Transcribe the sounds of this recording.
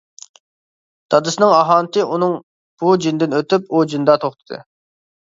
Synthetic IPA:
d̪̥ɑd̪ɨsɨnɨŋɑɦɑːnt̪ʰɨʔunɨŋ | b̥ud͡ʒind̪ɪnøt̪ypud͡ʒind̪ɑt̪ʰoχt̪ʰɨ̥d̪̥ɨ̰

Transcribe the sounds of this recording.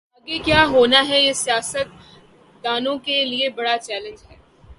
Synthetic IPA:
ɐɡekjaːɦoːnaɦɛjesijaːsət̪̚ | d̪aːnõkeliebɐɽat͡ʃɛːlə̃nd͡ʒɦɛː

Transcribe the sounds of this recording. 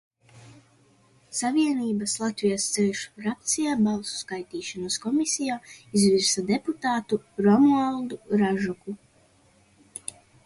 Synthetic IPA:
saviɛniːbaslˠat̪vijast̪sɛlʃu̥ɾap̚t̪sijaːbalˠsu̥skajt̪iːʃanaskɔmisʲijaːizviɾsad̪eput̪aːt̪uɾɔmualˠd̪uɾaʒɔku

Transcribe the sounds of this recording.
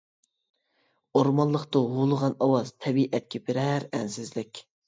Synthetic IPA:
oɾmɑnlˠəχt̪ʊɦulˠəʁɑnɑwɑz̥t̪ʰɛbiʔɛt̪̚kʲʰɛpɪɾɛɾɛnsɪzlɪkʲ

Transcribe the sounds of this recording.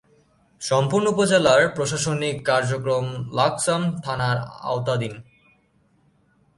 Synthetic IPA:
ʃɔmpuɾnoupod͡ʑelaɾpɾoʃ̬aʃonikːaɾd͡ʑokɾomlaksamt̪ʰanaɾa̰ot̪ad̪in

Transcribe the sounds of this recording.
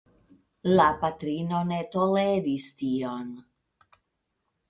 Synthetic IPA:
lapat̪ɾino̞ne̞t̪oleɾist̪ion

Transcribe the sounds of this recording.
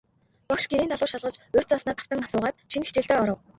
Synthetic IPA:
pɔkʃɡeɾiːnt̪ʰaɮʊːrʃaɮʁə̆t͡ɕɵr̥ʲt͡saːsnaːt̪ʰḁwt̪ə̆ŋasʊːʁaːt̪ʃʰinxi̥t͡ɕɪ̆ɬt̪eːɔɾɞ̆w

